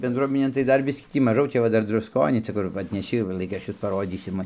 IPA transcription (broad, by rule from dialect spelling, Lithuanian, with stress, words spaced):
bʲɛndˈruɔmʲɪnʲeːn tɐɪ ˈdɐr ˈbʲɪsʲkʲiː ˈtʲiː mɐˈʒɐʊ ˈt͡ʃʲɛ ʋɐ ˈdɐr drʊsˈkoːnʲiː ˈt͡sʲɛ kʊr ɐtʲnʲɛˈʃʲɪ ʋɐ ˈlˠɐɪkrɐʃʲt͡ʃʲʊs pɐˈroːdʲiːsʲɪm